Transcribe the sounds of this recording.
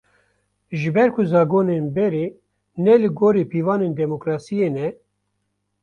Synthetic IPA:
ʒɨbɛɾkʰʊzɑːɡoːnenbɛɾeː | nɛlɨɡoːɾiːpiːvɑːneːnd̪ɛmokɾɑːsijeːnɛ

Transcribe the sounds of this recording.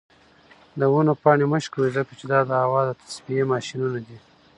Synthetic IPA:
d̪əwunopɑɳeməʃkəwizəkat͡ʃed̪ɑd̪əhawɑd̪ət̪ʰḁspijemɑʃinunad̪i

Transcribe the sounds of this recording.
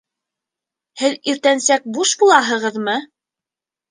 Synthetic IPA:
hɘðiɾt̪ænsæk̚buʃbulˠɑɦɤ̆ʁɤðmɤ

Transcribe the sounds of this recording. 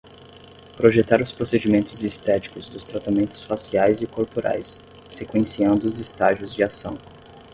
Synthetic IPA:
pɾoʒet̪aɾʊspɾosed͡ʒimẽnt̪ʊzist̪ɛt͡ʃi̥kʊzd̪ʊst̪ɾat̪amẽnt̪ʊ̥sfasiajzɪkoɾpoɾʔa̰jsː | ekwẽsiɐ̃nd̪ʊːzɪst̪aʒiʊzd͡ʒɪasɐ̰̃w̃

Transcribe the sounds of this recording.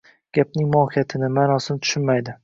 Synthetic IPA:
ɡ̥ʲap̚nɪŋmɒkijat̪ʰɪnɪmaːnɒsɪnɪt̪ʰʊ̥ʃʊnmajd̪ɪ

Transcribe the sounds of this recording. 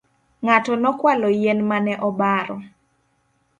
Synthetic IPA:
ŋatɔnɔkwalɔjenmanɛʔɔbaɾɔ

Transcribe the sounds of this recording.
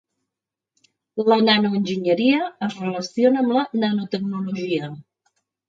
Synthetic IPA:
lənanuənʲʒiɲəɾiəəzrələsionəːmlənənut̪əɡ̚nuluʒiə

